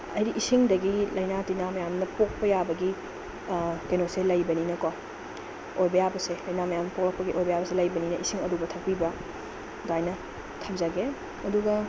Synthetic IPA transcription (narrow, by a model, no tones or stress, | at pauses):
ɐjɾiʔisiŋdɐɡilɐjnatinamɐjamnɐpok̚pɐjabɐɡi | kenoselɐjbɐninɐka | ojbɐjabɐselɐjnamɐjamnɐpok̚lɐk̚pɐɡiʔojbɐjabɐselɐjbɐninɐʔisiŋɐdubɐtʰɐk̚pibɐ | dajnɐ | tʰɐmzaɡe | ɐduɡɐ